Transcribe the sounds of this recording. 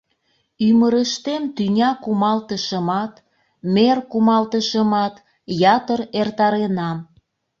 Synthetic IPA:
yməɾəʃt̪emt̪ynʲɑkumɑlt̪əʃəmɑt̪ | merkumɑlt̪əʃəmɑt̪ | jɑt̪əɾert̪ɑɾenɑm

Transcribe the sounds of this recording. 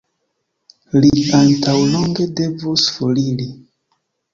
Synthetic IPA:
liantawloŋɡe̞de̞vosfolili

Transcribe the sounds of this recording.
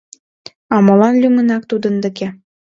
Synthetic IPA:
ɑmɤ̆lɑnlʲymə̆nɑk̚t̪ud̪ə̆nd̪ə̆ke

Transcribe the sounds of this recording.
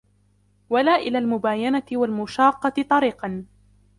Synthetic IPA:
walaːʔɪlaːlmʊbaːjanat̪ɪwalmʊʃɑːqːɑt̪t̪ˤɑɾiːqɑn

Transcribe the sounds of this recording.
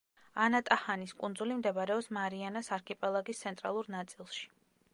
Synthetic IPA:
anat̪ʼahaniskʼund̪zulimd̪ɛbaɾɛɔpsmaɾianasaɾkʰɛpʼɛlˠaɡist̪sʰɛnt̪ʼɾa̰lˠuɾnat̪sʼilˠʃi̥

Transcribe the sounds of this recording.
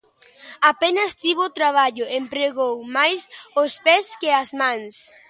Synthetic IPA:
apenɐst̪iβot̪ɾaβ̞aʎʊʔempɾeɣowmajsospɛskɪazmãŋs

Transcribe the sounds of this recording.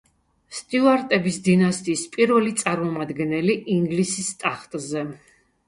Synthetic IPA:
st̪ʼiuaɾt̪ʼɛbisd̪inast̪ʼiːspʼiɾvɛlit̪sʼaɾmɔmad̪ɡɛnɛliʔiŋɡlisist̪ʼaχt̪ʼzɛ

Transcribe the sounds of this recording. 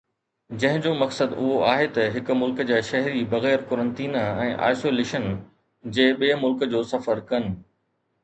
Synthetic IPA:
d͡ʑɐ̃ɦɪ̃d͡ʑoːmɐksəd̪ʊɦoaːɦet̪ɐɦɪkʊ̆mʊlkd͡ʑaːʃɐɦɾibɐɣɛːɾkʊɾə̃nt̪iːnɛ̃ːʔa̰ːɪsoːleːʃən | d͡ʑeːɓiːmʊlkd͡ʑoːsɐfəɾkɐnɪ̆

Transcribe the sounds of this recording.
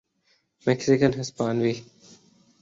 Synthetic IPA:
meksikənɦɪspaːnʋi

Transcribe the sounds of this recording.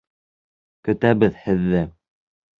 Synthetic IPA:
kɵ̆t̪æβɘðhɘ̆ðːɘ

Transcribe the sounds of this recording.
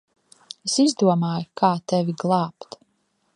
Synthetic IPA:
esizd̪uɔmaːjkʰaːt̪ɛvʲiɡlˠɑːpt̪

